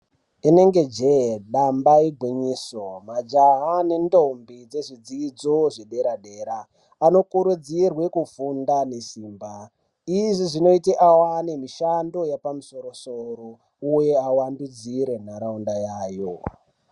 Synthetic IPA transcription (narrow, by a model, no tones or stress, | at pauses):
ine̞ŋɡe̞d͡ʒeɗambaiɡʱwiɲiːsomad͡ʒaɦane̞ndo̞mbid͡ze̞ʐid͡ziːd͡zoʐeɗe̞ɾaɗe̞ːɾaː | no̞kuɾud͡zirwe̞kufundanesiːmba | iʐiʐino̞iteʔawanemiʃando̞japamuso̞ɾo̞soɾo | uje̞awandud͡ziɾe̞n̤aɾaundajaːjo